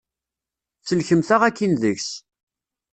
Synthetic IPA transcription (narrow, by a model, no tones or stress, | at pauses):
θəlçəmθaʁækːinðəçs